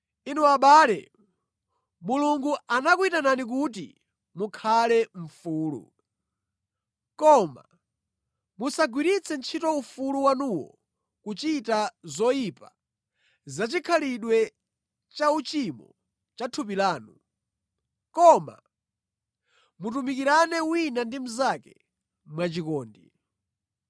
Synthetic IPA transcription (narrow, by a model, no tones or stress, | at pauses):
inuaɓaːlɛ̰ | muluŋɡuanak̬uitananik̬ut̬ḭ | mukʰalɛɱ̩fuːlṵ | kɔma̰ | musaɡwiɾit͡sʰɛnt͡ʃʰitɔufuluwanuwɔ̰ | kut͡ʃitazɔipa | zat͡ʃikʰaliɗwɛ | t͡ʃaut͡ʃimɔ̰ | t͡ʃatʰupilaːnu | kɔma̰ | mutumikiɾanɛwinandim̩zakɛ | mwat͡ʃikɔːndi